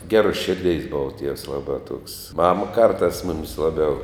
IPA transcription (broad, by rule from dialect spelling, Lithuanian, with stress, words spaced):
ˈɡʲæːruɔs ˈʃʲɪrʲˌdʲɛɪs ˈboːʋɐ tʲiɛws ˈlˠɑːbɑː tuɔks ˈmɑːmɐ ˈkɐrtɑːs ˈmʊmʲɪs ˈlˠɑːˌbʲɛʊ